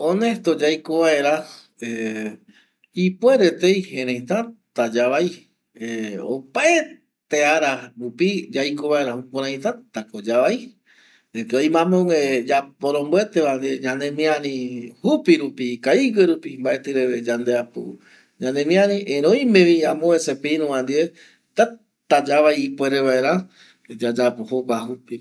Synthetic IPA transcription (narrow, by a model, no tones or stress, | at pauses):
õnest̪od͡ʒajkoβaeɾa | e | ipweɾet̪ejhẽɾ̃ẽj̃t̪at̪ad͡ʒaβaj | eo̰pae | t̪eaɾaɾupid͡ʒajkoβae̞ɾahupõɾ̃ãj̃t̪at̪akod͡ʒaβai | ekeojmãmõŋed͡ʒapoɾ̃õmboet̪eʋand̪ieɲãnẽmĩãɾĩhupiɾupikaiɡeɾupimbaʔe̞t̪ɨɾeed͡ʒand̪eapo̰ | ɲãnẽmĩãɾĩʔẽɾõj̃mẽʋĩãmõesepeiɾũʋãnd̪ie | t̪a | t̪ad͡ʒaʋajːpweɾeβaeɾã | d͡ʒad͡ʒapohopahupi